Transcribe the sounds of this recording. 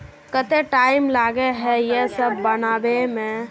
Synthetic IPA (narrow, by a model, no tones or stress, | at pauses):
kət̪eʈaːɪmlaːɡeɦɛjesəbːənaːbemẽ